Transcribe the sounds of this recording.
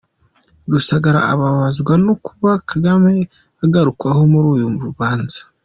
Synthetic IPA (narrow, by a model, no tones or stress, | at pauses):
ɾusaɡaɾa̰ːβaβazɡwanokuβakʰaɡame | aɡaɾukwaho̞muɾuːjumuɾuβaːnzḁ